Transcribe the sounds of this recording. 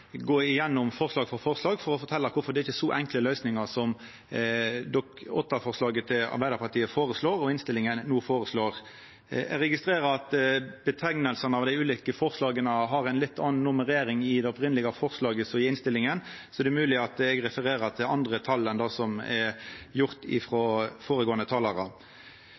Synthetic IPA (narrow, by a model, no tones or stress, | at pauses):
ɡoːɪjɛnːʊmfɔʁslɑːɡfɔɾfɔʁslɑːɡfɔɾɔfɔɾt̪ʰɛlːəɾkʰʊfɔɾd̪ɛɪçəsɔʔɛŋkləlœʏsnɪŋɑʁsɔm | d̪ɔkɔ̰t̪ːɑfɔʁslɑːɡət̪ʰɪlɑ̰ɾbæɪd̪əɾpɑʁt̪ʰiːəfoːɾəsloːɾɔɪnst̪ɪlːɪŋənnuːfoːɾəsloːʁ | ɛɾɛɡɪst̪ɾeːɾəɾɑt̪b̥ət̪ʰɛŋnəlsənəɑʋd̪æɪʉːliːkəfɔʁslɑːɡənəɦɑʁæɪnlɪt̪ʰːɑnnʊməʁeːɾɪŋɪd̪ɛɔpʁɪnlɪɡɑfɔʁslɑːɡəsɔɪɪnst̪ɪlɪŋən | sɔæd̪ɛmʉːlɪɑt̪ɛɡʁɛfəɾeːʁəʁt̪ʰɪlɑnd̪ʁət̪ʰɑlːənd̪ɑsɔmɛjʊʁt̪ɪ̰fʁɔfoːɾəɡoːənət̪ʰɑːlɑɾɑ̰